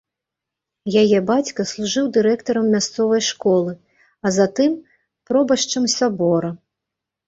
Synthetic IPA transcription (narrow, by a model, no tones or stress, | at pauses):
jajɛbat͡sʲkɐslˠuʐɨwd̪ɨɾɛkt̪ɐɾɐmːʲast̪sɔvɐjʂkɔlˠɨ | ɐzat̪ɨm | pɾɔbɐʂt͡ʂɐmsʲabɔɾɐ